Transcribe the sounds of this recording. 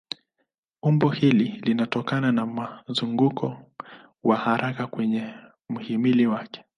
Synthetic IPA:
umbɔhililinatɔkananamazuŋɡukʰɔ | wahaɾʔakakwɛɲɛ | m̩himiliwakɛ̥

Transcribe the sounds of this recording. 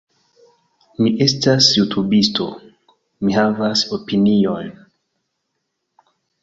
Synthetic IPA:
miʔestasjutʰubistʰo̰ | mihavasopinion

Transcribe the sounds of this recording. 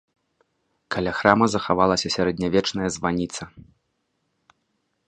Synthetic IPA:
kʰalʲaxɾamɐzɐxavalˠɐsʲɐsʲaɾɐd̪ʲnʲavʲɛt͡ʂnɐjɐzvanʲit̪sɐ

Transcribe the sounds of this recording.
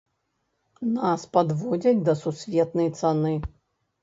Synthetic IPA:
naspad̪vɔd͡zʲɐd͡zʲd̪ɐsusʲvʲɛt̪nɐjt̪sanɨ

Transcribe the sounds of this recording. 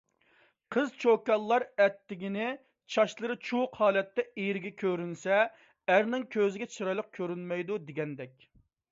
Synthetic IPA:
qʰəzt͡ʃʰokɑlˠːɑɾɛt̪ːɪɡʲinɪ | t͡ʃʰɑʃlˠəɾɨt͡ʃʰuqhɑːlɛt̪ːɛejɾɪɡʲɛkʲʰøɾynsɛ | æɾnɪŋkʲʰøzɪɡʲɛt͡ʃʰɨɾɑjlˠəq̚kʲʰøɾynmɛjd̪ud̪eɡʲɛnd̪ɛkʲ

